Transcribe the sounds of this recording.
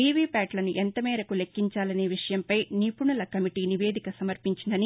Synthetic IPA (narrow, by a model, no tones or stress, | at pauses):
iːʋiːpaːʈlɐnuʔent̪ɐmɛːɾɐkule̞kːiɲt͡ʃaːlɐne̞ːʋiʂɐjɐmpɐjniːpuɳulɐkɐmiʈiːniʋe̞ːd̪ʱikɐsɐmɐɾpiɲt͡ʃind̪ɐni